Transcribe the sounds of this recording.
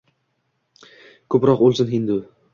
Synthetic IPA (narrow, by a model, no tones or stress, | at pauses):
kʰɵpɾɒqolˠsɪnɦɪnd̪u